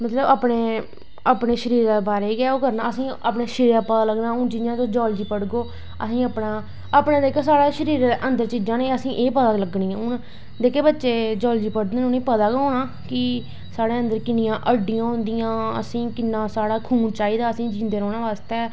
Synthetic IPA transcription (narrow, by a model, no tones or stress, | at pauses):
mət̪ləbaːpɳeː | apɳeːʃəɾiːɾaːbaːɾeːiːɡɛːoːkəɾnaːəsĩːaːpɳeːʃɪɾaːpəd̪aːləɡnãːʊnd͡ʒɪnjãːt̪õːd͡ʒɔːld͡ʒiːpəɽɡoː | ə̰sĩːəpɳaː | apɳẽːd̪eːkʰoːsaːɽaːʃəɾiːɾənd̪əɾt͡ʃiːd͡ʒãːneːəsĩːʔeːpəd̪aːləɡɳĩːãːʊn | d̪eːkʰeːbətːʃeːd͡ʒɔːld͡ʒiːpəɽd̪eːʊnĩːpəd̪aːkõːnaː | kɪ | saːɽeːə̃nd̪əɾkɪnɪjãːʔəɖɪjãːɦʊ̃nd̪ɪijãːə̰sĩːkɪnːãːsaːɽaːkʰuːnt͡ʃaːiːd̪aːəsĩːd͡ʒĩːnd̪eːɾɔːnaːʋaːst̪ɛː